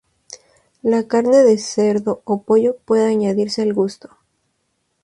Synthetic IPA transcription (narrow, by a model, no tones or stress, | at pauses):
lakaɾne̞ðe̞se̞ɾðo̞opo̞ʝo̞pwe̞ðeaɲaðiɾse̞alɣust̪o̥